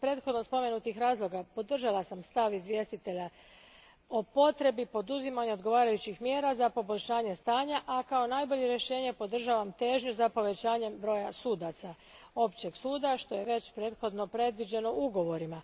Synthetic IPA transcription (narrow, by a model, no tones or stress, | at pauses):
pɾe̞ːt̪xo̞d̪nospo̞me̞nut̪ixɾaːzlˠo̞ɡapo̞d̪r̩ʒalasamst̪aʋizʋje̞ːst̪it̪e̞ʎa | o̞po̞t̪ɾe̞bipo̞d̪uzimaɲeo̞d̪ɡo̞ʋaːɾajut͡ɕixmje̞ːɾazapo̞bo̞ʎʲʃaːɲe̞st̪aːɲaʔakao̞naːjbo̞ʎe̞ɾjeʃe̞ːɲepo̞d̪r̩ʒaːʋamt̪e̞ːʒɲuzapo̞ʋe̞t͡ɕaːɲe̞mbɾo̞jasuːd̪at̪sa | o̞pt͡ɕe̞ɡsuːd̪aʃt̪o̞je̞ʋe̞t͡ɕpɾe̞ːt̪xo̞d̪no̞pɾe̞d̪ʋid͡ʑe̞no̞uɡo̞ʋo̞ɾima